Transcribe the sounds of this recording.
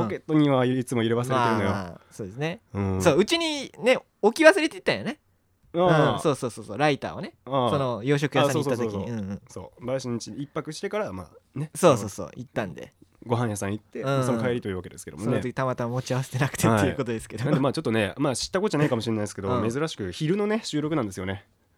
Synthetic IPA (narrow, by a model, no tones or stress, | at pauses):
põke̞t̪ːoɲ̟iβaiit͡sɨmo̞iɾeβaseɾeaenojso̞ːd̪e̞sɨneɯ̃soːɯ̟t͡ɕiɲ̟ine̞ | okʲiβasɨɾe̞t̪e̞it̪ːãj̃one̞ | aːɯ̃so̞ːsoːso̞ːsoːɾait̪a̰ːo̰ne̞aːso̞no̞jo̞ːɕ̬o̞kɯ̟jaãoːsoatsoːsoiiɯ̟̃ɯ̃so̞̰ːbaɕinɲit͡ɕiipːakɯ̟ɕi̥t̪e̞kaɾama̰ːne̞so̞ːso̞ːso̰ːʔit̪ːãnd̪e̞̰ɡo̞ɦãɰ̃jasãɰ̃it̪ːe̞ɯ̃samkaeɾʲit̪oiɯ̟ːβake̞d̪esked̪osoonot̪oki̥t̪amat̪amamo̞t͡ɕiaβase̥t̪e̞nakt̪ʰet̪ːeiɯ̟ko̞t̪o̞d̪e̞sɨ̥ke̞d̪onemaːt͡ɕo̞t̪ːone̞maːɕi̥t̪ːakooʑanaikamoɕiɾenaid̪esked̪ome̞zɨɾaɕi̥kɯ̟çiɾɯ̟no̞ne̞ɕɨːɾo̞kɯnãnd̪esɨjo̞ne̞